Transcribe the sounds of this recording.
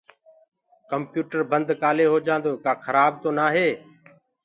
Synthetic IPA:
kəmpjuːʈəɾbənd̪kaːleːɦoːd͡ʒãːnd̪oːkaːkʰəɾaːb̚t̪oːnaːɦeː

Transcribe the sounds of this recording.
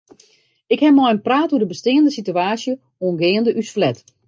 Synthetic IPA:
ɪkhɛmɔjənpraːtudəbəstɪːəndəsityaːsjə | oənɡɪːəndəʔysflɛt

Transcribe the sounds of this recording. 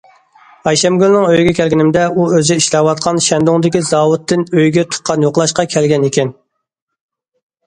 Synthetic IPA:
ɑjʃɛmɡʲølnɪŋøjɡʲɛkʲʰɛlɡʲinɪmd̪ɛuøziʃlɛwɑt̪̚qʰɑnʃɛnd̪oŋd̪ɪkʲizɑwut̪ʰːɨnøjɡʲɛt̪ʰʊ̥t̪̚qʰːɑnjoqlˠɑʃqɑkʲʰɛlɡʲɛnekʲɛn

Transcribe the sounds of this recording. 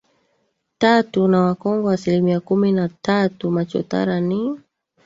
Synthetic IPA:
tatunawakɔŋɡɔasilimiakuminatatumat͡ʃɔ̰ta̰ɾani

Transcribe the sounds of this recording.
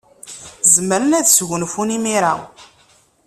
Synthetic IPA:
zəməɾənæðsʝənfunimiɾa

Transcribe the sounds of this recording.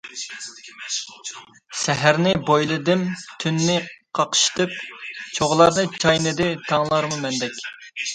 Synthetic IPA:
sɛɦæɾnɪbojlˠɨd̪ɨmt̪ʰynːɪqʰɑqə̥ʃt̪ɨp̚t͡ʃʰoʁlˠɑɾnɨt͡ʃʰɑjnɨd̪ɪt̪ʰɑŋlˠɑɾmumɛnd̪ɛkʲ

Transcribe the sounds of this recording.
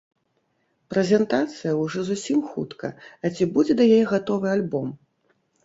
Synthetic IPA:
pɾɛzʲɛnt̪at̪sɨjɐwʐɔzusʲimxut̪kɐ̰ːt͡sʲibud͡zʲɛd̪ɐjajɛɣat̪ɔvɨalʲbɔm

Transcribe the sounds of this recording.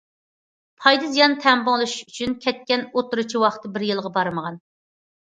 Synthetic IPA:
pʰɑjd̪ɨzijɑnt̪ʰɛmbʊŋlˠɨʃʃyt͡ʃʰynkʲʰɛt̪̚kʲɛnot̪uɾut͡ʃʰiwɑχt̪ːɨbɪɾjɨlˠʁɑbɑɾməʁɑn

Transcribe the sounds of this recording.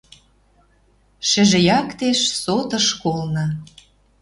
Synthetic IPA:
ʃɘ̆ʒĕjɑkt̪eʃsot̪ɤ̆ʃkolnɤ̆

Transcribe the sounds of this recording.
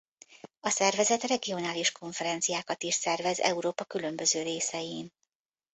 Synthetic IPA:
ɒsɛrvɛzɛt̪rɛɡio̞naːliʃko̞ɱfɛɾɛnt̪sijaːkɒt̪iʃsɛrvɛzɛ̰uɾoːpɒkylø̞mbø̞zøːɾeːsɛjiːn

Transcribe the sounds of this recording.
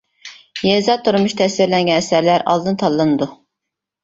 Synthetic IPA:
jɛzɑt̪ʰːuɾumuʃt̪ʰɛsɪɾlɛnɡʲɛnɛsæɾlæɾɑ̰lˠd̪ɨnɨt̪ʰɑlˠːɨnɨd̪u

